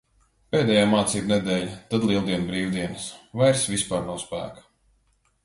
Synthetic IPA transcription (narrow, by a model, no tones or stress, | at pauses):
peːd̪ɛjaːmaːt̪siːbnɛd̪ɛːlʲat̪ad̪lˠilˠd̪iɛnbɾiːwd̪iɛnɨsvajɾsvispaːɾnawspæ̰ːkḁ